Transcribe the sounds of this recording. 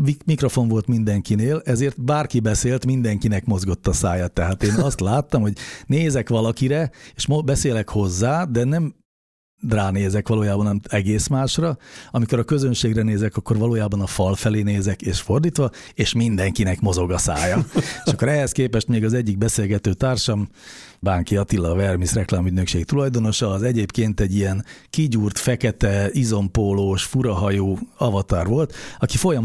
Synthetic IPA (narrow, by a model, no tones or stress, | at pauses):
imikro̞fo̞ɱvo̞lt̪mind̪ɛŋkineːlɛzeːrt̪baːrkibɛseːlt̪mind̪ɛŋkinɛkmo̞zɡo̞t̪ːɒsaːjat̪ːɛɦaːt̪eːnɒst̪laːt̪ːɒmhoɟneːzɛkʋɒlɒkiɾɛeːʃmobɛseːlɛkho̞zːaːd̪ɛnɛm | raːneːzɛkʋɒloːjaːbɒnɒmit̪ɛɡeːsmaːʃrɒɒmiko̞ɾɒkø̞zønʃeːɡrɛneːzɛkɒkːo̞rʋɒloːjaːbɒnɒfɒlfɛleːneːzɛkeːʃfo̞rd̪iːt̪ʋɒeːʃmind̪ɛŋkinɛkmo̞zo̞ɡɒsa̰ːjɒeʃʃɒkːoɾɛɦɛskeːpɛʃt̪meːɡɒzɛɟːiɡ̚bɛseːlɡɛt̪øːt̪aːrʃɒm | baːŋkiɒt̪ilːɒvɛrmisrɛklaːmyɟnøkʃeːkt̪ulɒjd̪o̞no̞ʃɒːzɛɟeːpkeːnt̪ɛɟːijɛnkiɟuːrt̪fɛkɛt̪ɛizo̞mpoloːʃfuɾɒɦɒjoːɒvɒt̪aːrʋo̞lt̪ɒkifo̞jɒ